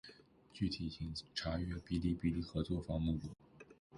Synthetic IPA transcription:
t͡ɕy˥˩t̪ʰi˨˩t͡ɕʰi˧˥ŋʈ͡ʂʰa˧˥ɥɛ˥pi˥li˥˧pi˥˧li˥˩xɤ˧˥t͡swɔ˥˩fɑ˥ŋmu˥˩lu˨˩˦

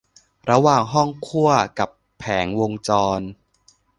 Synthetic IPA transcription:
ɾa˧waː˨˩ŋɦɔ˥˩ŋkʰu˥˩ɐka˨˩pʰːɛː˩˦ŋwo˧ŋt͡ɕɔː˧n

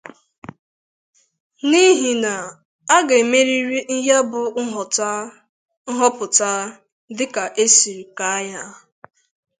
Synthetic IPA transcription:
ni˦ɦi˨na˨ | a˦ɡa˨e˨me˦ɾi˦ɾi˦n̩˦ɦja˦bʊ˨˦ɦɔ˨ta˦ | n̩˦ɦɔ˦pʊ˨ta˦ | dɪ˦ka˨ʔe˦si˨ɾi˨ka˦ja˦

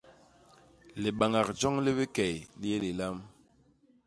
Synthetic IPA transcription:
le˨ɓa˨ŋa˨k̚d͡ʒɔ˦ŋli˦βi˦kɛ˨jli˦e˦li˨la˦m

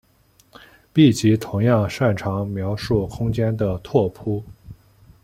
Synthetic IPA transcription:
pi˥˩t͡ɕi˧˥t̪ʰʊ˧˥ŋjɑ˥˧ŋʂa˥˩nʈ͡ʂʰɑ˧˥ŋmjɑ˧˥ʊʂu˥˩kʰʊ˥ŋt͡ɕjɛ˥nd̪ə˨t̪ʰwɔ˥˩pʰu˥

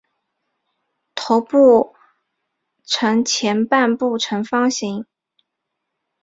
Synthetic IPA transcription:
t̪ʰo˧˥ʊpu˥˩ | ʈ͡ʂʰɤ˧˥ŋt͡ɕʰjɛ˧˥npa˥˧npu˥˩ʈ͡ʂʰɤ˧˥ŋfɑ˥ŋɕi˧˥ŋ

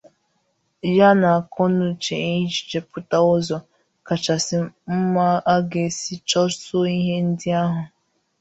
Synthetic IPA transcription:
ja˦na˨kʰɔ˦nʊ˨t͡ʃe˨i˦t͡ʃi̥˨t͡ʃe˨pʊ˦ta˦ʊ˦zɔ˨ | ka˨t͡ʃa˨sɪ˨m̩˦ma˦a˦ɡe˨si˦t͡ʃɔ˦so˦i˦ɦe˦n̩˦dɪ˦a˦ɦʊ˨

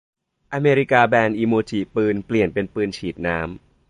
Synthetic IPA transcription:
ʔa˧meː˧ɾi˦˥kaː˧bɛː˧nʔiː˧moː˧t͡ɕʰiː˨˩pɯː˧npli˨˩ənpe˧npɯː˧nt͡ɕʰiː˨˩t̪̚naː˦˥m

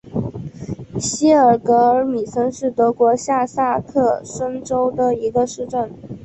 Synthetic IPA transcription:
ɕi˥ə˞˨˩kɤ˧˥ə˧˥mi˨˩sə˥nʂɻ̩˥˩t̪ɤ˧˥kwɔ˧˥ɕja˥˧sa˥˧kʰɤ˥˩ʂə˥nʈ͡ʂo˥ʊd̪ə˧i˧˥ɡə˧ʂɻ̩˥˧ʈ͡ʂə˥˩n

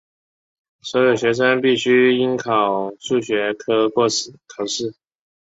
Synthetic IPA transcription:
swɔ˧˥ʊjo˨˩ʊɕɥɛ˧˥ʂ̬ə˥npi˥˩ɕy˥i˥nkʰɑ˨˩ʊʂu˥˩ɕɥɛ˧˥kʰɤ˥kwɔ˥˧s̩˨˩kʰɑ˨˩ʊʂɻ̩˥˩

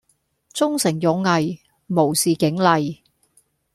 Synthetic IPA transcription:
t͡sʊ˥ŋsɪ˨˩ŋjɔ˨˧ŋŋɐ˨j | mo˨˩wsiː˨˩kɪ˨˥ŋlɐ˨j

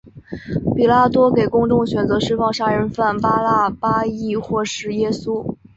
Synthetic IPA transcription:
pi˨˩la˥˩t̪wɔ˥ke˨˩ɪkʊ˥ŋʈ͡ʂʊ˥˧ŋɕɥɛ˨˩nt͡sɤ˧˥ʂɻ̩˥˧fɑ˥˩ŋʂa˥ɻə˧˥nfa˥˩npa˥la˥˩pa˥i˥˩xwɔ˥˩ʂɻ̩˧˥jɛ˥su˥

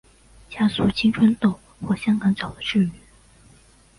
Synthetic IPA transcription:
t͡ɕja˥su˥˩t͡ɕʰi˥ŋʈ͡ʂʰə˥nt̪o˥˨ʊ | xwɔ˥˩ɕjɑ˥ŋkɑ˧˥˦ŋt͡sɑ˨˩ʊd̪ə˦ʈ͡ʂʰy˥˩y˨˩˦

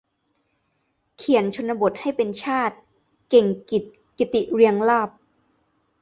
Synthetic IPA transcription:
kʰi˨˩˦ənt͡ɕʰo˧nːa˧bo˨˩t̪̚ha˥˩jpe˧nt͡ɕʰaː˥˩t̪̚ | ke˨˩ŋki˨˩t̪̚ | ki˨˩t̪i˨˩ɾi˧əŋlaː˥˩p̚

